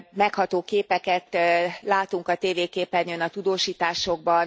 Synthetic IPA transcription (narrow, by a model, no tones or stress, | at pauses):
mɛkhɒt̪oːkeːpɛkɛt̪laːt̪uŋkɒt̪eːveːkeːpɛnjønɒt̪ud̪oːʃiːt̪aːʃo̞ɡ̚bɒn